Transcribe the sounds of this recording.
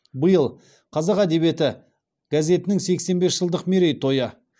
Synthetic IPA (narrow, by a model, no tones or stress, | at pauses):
bəjəlˠ | qʰɑzɑqæd̪e̞βe̞t̪ɪ | ɡ̥azʲe̞t̪ɪnɪŋse̞kse̞nbe̞sʒ̥əlˠd̪əqmeɾe̞jt̪ʰo̞jə